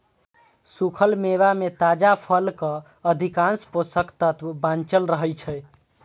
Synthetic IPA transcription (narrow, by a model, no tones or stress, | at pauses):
sukʰəlmeβamet̪ad͡ʒapʰəlkə | əd̪ʱikãnsposəkt̪ət̪ʋbãnt͡ʃəlɾəɦəjt͡ʃʰɛ